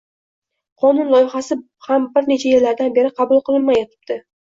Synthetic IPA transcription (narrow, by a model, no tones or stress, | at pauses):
qʰɒnʊnlˠɒjɪχasɪ | hambɪɾne̞t͡ʃʰajeɾlaɾd̪anbe̞ɾɪqʰɑbʊlˠqʰɨlˠɪnmajet̪ʰɪ̥b̚d̪̥ɪ